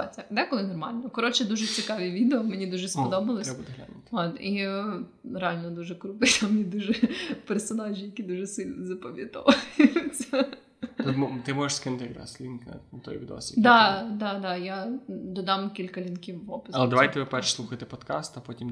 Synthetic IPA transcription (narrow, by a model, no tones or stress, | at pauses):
t͡sʲɛd̪ɛkɔlˠɪnɔrmɑlʲnɔkɔɾɔt͡ʃɛd̪uʒɛt͡sʲɪkɑʋʲiʋʲid̪eɔmenʲid̪uʒɛspɔd̪ɔbɐlˠɔsʲbd̪ɦlʲa̰nut̪ɔt̪i | ɾeɑlʲnɔd̪uʒɛkɾut̪ɪt̪amnʲid̪uʒɛpɛrsɔnɑʒʲijɐkʲid̪uʒɛsɪlʲzɐpɔʋʲjɐt̪ɔ̰ʋɐjʊt͡sʲːɐɐ | t̪ɔt̪ɪmɔʒɪʃskɪnʊt̪ɪjɾɑ̰slʲinkt̪ɔ̰jʋʲid̪ɔ̰sʲid̪ɑd̪ɑd̪ɑjad̪ɔd̪ɑmkʲilʲkɐlʲinkʲiwːɔpɪɐlˠɛd̪ɐʋajt̪ɛʋɪpɛrʃsˠuxɐjt̪ɪpɔd̪kɑst̪ɐpɔtʲim